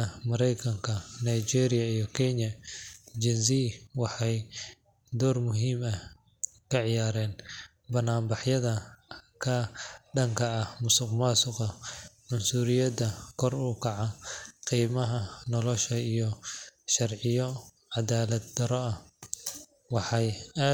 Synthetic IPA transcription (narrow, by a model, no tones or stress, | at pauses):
ɐmɐɾɛjkʰɐŋkʰɐnɐjt͡ʃiɾɪjɐijɔkʰɛɲɐd͡ʒɛnsiwɑħɑj | d̪ɔːrmʊɦiːmɐ | kʰɐʕɪjaːɾɛːn | bɐnaːmbɑħjɐðɐkʰɐɖɐŋkʰɐːmʊsɪqmasʊqɐmʊnsuːɾɪjɐd̪ɐkʰɔrʊkʰɐʕɑqiːmɐɦɐnɔlɔʃɐijɔʃɐrʕɪjɔ | ʕɑd̪aːlɐd̪̚d̪ɐɾɔɐh | wɑħɑjaː